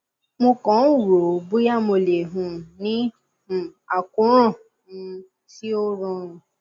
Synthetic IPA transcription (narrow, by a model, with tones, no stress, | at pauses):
mõ˧kɔ̃˨˦u˦˨ɾo˨bu˦ja˦˨mo˧le˨ɦũ˨nĩ˦ | ũ˨a˨kũ˨˦ɾ̃ɔ̃˦˨˧ | ti˦o˦ɾɔ̃˧˨